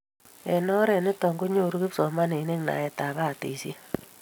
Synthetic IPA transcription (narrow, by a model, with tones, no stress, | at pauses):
ɛ˨nɔ˦ɾɛ˨nɪ˦tɔ˨ŋɡu˦ɲo˦˨ɾu˦ki˦psɔ˨ma˦ne˨˦ne˦ŋna̰˨ɛ˨ta˨βa˦˨tḛ˨si˦